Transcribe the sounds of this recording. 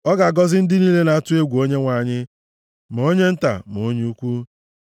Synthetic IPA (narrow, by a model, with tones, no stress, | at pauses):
ɔ˦ɡa˨ɡɔ˦zɪ˦n̩˦dɪ˦niː˦le˦na˨a˦tʊ˦e˦ɡʷu˨o˦ɲe˦ŋʷa˨ɲɪ˦ | m˨o˦ɲe˦n̩˦ta̰˨mo˨˦ɲ˦u˦kʷu˦